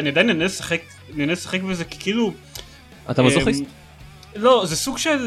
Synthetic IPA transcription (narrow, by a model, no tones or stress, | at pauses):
aniad̪ajnanelsaχek | anianesaχekbezeki̥kiilu | at̪amaz | lo̞zesuɡʃel